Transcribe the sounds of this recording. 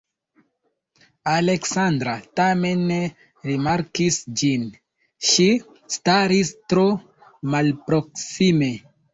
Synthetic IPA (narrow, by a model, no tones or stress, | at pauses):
ale̞ksandɾatame̞nːe | ɾimaɾkisd͡ʒin | ʃi | staɾistɾo | malpɾoksime̞